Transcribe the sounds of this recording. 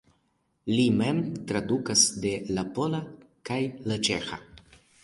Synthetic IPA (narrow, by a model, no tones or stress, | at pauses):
limɛmt̪ɾad̪ukasd̪elapola | kajlat͡ʃexa̰